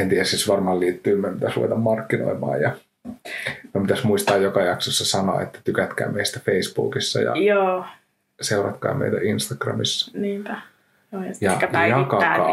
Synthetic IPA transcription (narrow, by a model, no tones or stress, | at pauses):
ent̪iæssisʋɑrmɑːliːt̪ːyːmæpit̪æsrṵʋḛt̪ɑmmɑrkːino̰imɑ̰ːjjɑ | mæmpit̪æsmuist̪ɑːjjokɑjɑksosːɑsɑno̰ɑ̰ḛt̪ːæ̥t̪ykæt̪kæ̰ːmeist̪æfeisb̥ṵːkisːɑ̰jɑ̰joː | seurɑt̪kɑ̰ːmḛit̪æ̰ʔinst̪ɑɡ̥rɑ̰misːɑ̥niːpæ | jɑjɑjɑkɑɑ̰